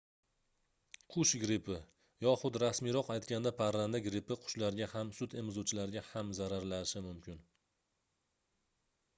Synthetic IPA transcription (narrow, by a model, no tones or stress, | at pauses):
qʰʊʃɡɾɪpʰɪ | jɒχʊd̪ɾasmiɾɒqajt̪kʲand̪apʰaɾland̪aɡɾɪpɪqʰʊ̥ʃlaɾɡʲahamsʊt̪emɪzot͡ʃʰɪlaɾɡʲahamzaɾaɾlaɪʃɪmʊmkʲʰɪn